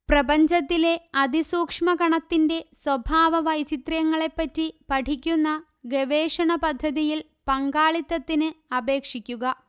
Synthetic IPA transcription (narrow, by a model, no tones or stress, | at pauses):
prɐbɐɲd͡ʑɐt̪ːile̞ɐd̪ʱisuːkʂmɐɡɐɳɐt̪ːinde̞swɐbʱaːʋɐʋɐjt͡ɕit̪rjɐŋːɐɭe̞pːɐtːipɐʈʰikʲːunːɐ | ɡeʋe̞ːʂɐɳɐpɐd̪ʱːɐðijil | pɐŋɡaːɭit̪ːɐt̪ːinɨɐbe̞ːkʂikʲːuɣɐ